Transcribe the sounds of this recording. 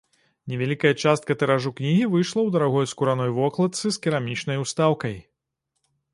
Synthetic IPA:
nʲɛvʲalʲikɐjɐt͡ʂast̪̚kɐt̪ɛɾaʐuknʲiɣʲivɨjʂlˠɐwd̪ɐɾaɣɔjskuɾanɔjvɔklˠɐt̪sɨskʲiɾamʲit͡ʂnɐjust̪awkɐj

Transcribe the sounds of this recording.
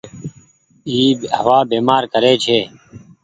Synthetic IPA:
iːɦəʋaːbeːmaːɾkəɾeːt͡ʃʰeː

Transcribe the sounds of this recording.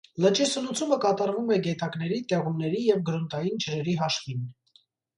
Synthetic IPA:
lət͡ʃisəlut͡sʰuməkɑt̪ɑɾvumɛɡɛt̪ɑknɛɾit̪ɛʁumnɛɾijɛvɡəɾunt̪ɑjint͡ʃʰəɾɛɾiɦɑʃvin

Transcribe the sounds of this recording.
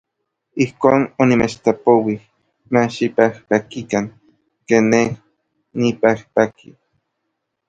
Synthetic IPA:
ihkoːnonimet͡ʃt̪apowih | maʃipahpakikaŋ | keːnːeh | nipahpaki

